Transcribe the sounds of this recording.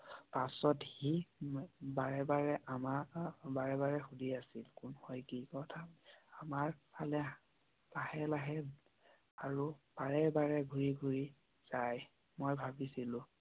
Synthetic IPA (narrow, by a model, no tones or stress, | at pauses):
pasɔthi | baɹɛbaɹɛʔamabaɹɛbaɹɛxudʱiasilkʊnhɔjkikɔtʰaamaɹpʰalɛ | lahɛlaɦɛ | aɹub̥aɹɛbaɹɛɡʱuɹiɡʱuɹi | z̥aj | mɔjbʱabisilʊ̃